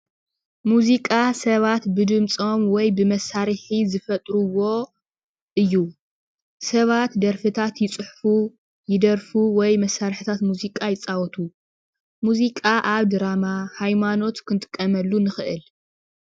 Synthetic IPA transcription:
muzikʼasɐβat̪bɨd̪ɨmt͡sʼo̞mwɔjbɨmɐsaɾɨħizɨfɐt̪ʼɾuwo̞ | ʔɨjːu | sɐβat̪d̪ɐɾfɨt̪ʰat̪jɪt͡sʼɨħfu | jɪd̪ɐɾfuwɔjmɐsːaɾħɨt̪ʰat̪muzikʼajɪt͡sʼawɔt̪ʰu | muzikʼaʔaβd̪ɨɾamahajmano̞t̪kʰɨnt̪ʼɨ̥kʼːɐmɐlːunɨxɨʔɨl

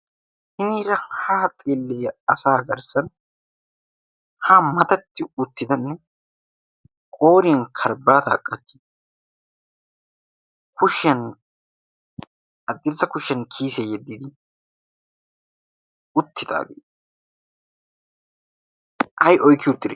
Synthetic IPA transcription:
hɪniːɾɐhaːt̪ʼeːlːejɐsaːɡɐɾsɐn | hamɐt̪ɐt̪ːɪʊt̪ːɪd̪ɐnːɛ | kʼo̞ːɾɪjɐnkʰɐɾbaːt̪a̰ːkʼːɐt͡ʃːɪ | kʊʃɐn | ʔɐd̪ːɪzːɐkʊʃjɐnkʰiːsejɛd̪ːid̪ɪ | ʊt̪ːɪd̪a̰ːɡḛː | ʔɐjʔɔjkːɪʊt̪ːɪd̪ɛ

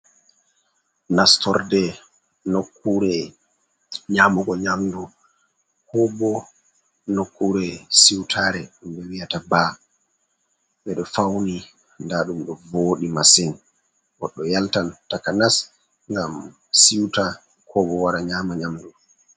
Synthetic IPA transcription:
nastɔɾdɛ | nokʰːuɾɛ | ɲaːmɔɡɔɲamdu | kɔbɔ | nokːuɾɛsiwtʰaɾɛɗumbɛwijataba | ɓɛɗɔfawni | ndaːɗumɗɔvoːɗimasin | ɡɔɗːɔjaltantakanas | ŋɡam | siwta | kʰɔbɔwaɾaɲaːmaɲamdu

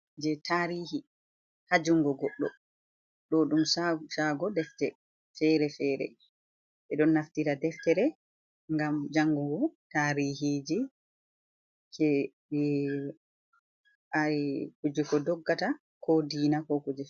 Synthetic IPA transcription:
d͡ʒɛtʰaɾiːhi | had͡ʒuŋɡɔɡɔɗːɔ | ɗɔɗumasaɡɔdɛftɛ | fɛɾɛfɛːɾɛ̰ | ɓɛɗɔnːaftiɾadɛftɛɾɛ | ŋɡamd͡ʒaŋɡuɡɔtaːɾiɦid͡ʒi | kʰɛ | ʔaɾikud͡ʒikɔdɔɡːata | kʰodiːnakɔkud͡ʒɛ

